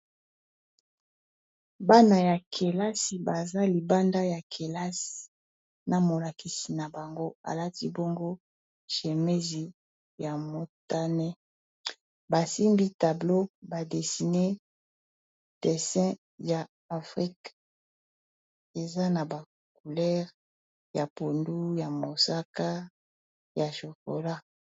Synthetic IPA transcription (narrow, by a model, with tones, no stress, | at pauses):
ba˦na˨ja˨kʰe˨la˦si˨ba˨za˦li˨ba˦nda˦ja˨kʰe˨la˦si̥˨ | na˨mo˨la˨ki˨si˨na˨ba˨ŋɡo˦a̰˨la˦ti˦bo˦ŋɡo˦ | ʒe˨me˦zi˨ | ja˨mo˨ta˦nɛ˦ | ba˨si˦mbi˦ta˨blo˦ba˨de˨si˨ne˦ | d̥ɛ˨sɛ̃˦ | ja˨ | a˨fʁi˦k | e˨za˦na˨ba˨ | ku˨lɛ˦ʁ | ja˨po˨ndu˦ja˨mo˨sa˦ka˦ | ja˨ʃo˨ko̰˨la˦